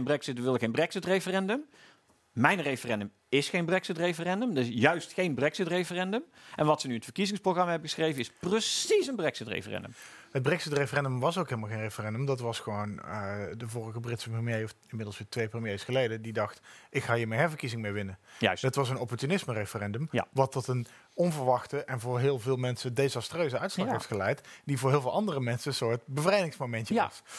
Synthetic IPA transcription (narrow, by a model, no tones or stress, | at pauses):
nbrɛksɪtʋɪlˠəxejnbrɛksɪtrejfərɛndəm | mɛjnrejfərɛndəm | ɪsxejnbrɛksɪtrejfərɛndəmdəɪsjœɥstxejnbrɛksɪtrejfərɛndəmʔɛnʋɑtsənyətfəɹkizɪ̃ŋsprowɣrɑmaɦɛbəɣəsxrejvənɪsprəsisənbrɛksɪtrḛjfərɛ̰ndə̰məd̚brɛksɪtrejfərɛndəmʋɑsowkɦɪlˠmlˠxejnrejfərɛndəmdɑtʋɑsχəʋownədəvʊːrəɣəbrɪtsəprəmjejɔfɪnmɪdlˠsʋɪːtʋejprəmjejsχəlejdədidɑxtʔɪkxaːjəːmɛnɦɛɹvəɹkizɪŋmeʋɪnəətʋɑsənɔpɔɹtynɪsmərejfərɛndəmʋɑtɔtən | ɔnvəɹʋɑxtəʔɛnvʊːɹɦɪːlˠvɪːlˠmɛnsədezɑstrøɥzəœɥtslɑkɦɛjftχəlɛjtdivʊːɹɦɪːlˠvɪːlˠʔɑndərəmɛnsənsʊːɹtbəvrɛjdɪŋsmomɛntəɑ̰s